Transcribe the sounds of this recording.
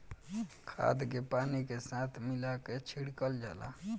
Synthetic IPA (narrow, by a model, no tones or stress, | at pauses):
kʰa̰ːd̪kepaːnikesat̪ʰmɪlaket͡ʃʰiɽkəld͡ʒaːla̰